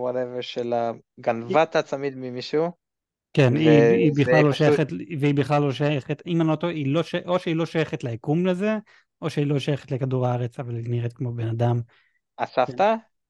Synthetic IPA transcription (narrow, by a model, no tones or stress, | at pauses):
waleveʃela | ɡanvat̪at͡samid̪mimiʃu | keniibiχlalːoʃajaχetveibiχlalːoʃajeχetimanot̪oʔilo̞ʃʔoʃeilo̞ʃajeχetleikumleze̞ | ʔo̞ʃeilo̞ʃajeχetlekaduʁaaʁet͡savalniʁet̪kmo̞benadam | asaft̪a